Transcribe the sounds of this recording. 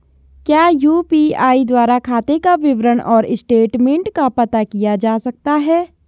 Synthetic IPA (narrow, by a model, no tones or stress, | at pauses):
kjaːjuːpiaːid̪waːɾakʰaːt̪ekaʋɪʋɾəɽʔɔːɾɪsʈeːʈmẽːɳʈkapɐt̪akijad͡ʒaːsɐk̚t̪aɦɛː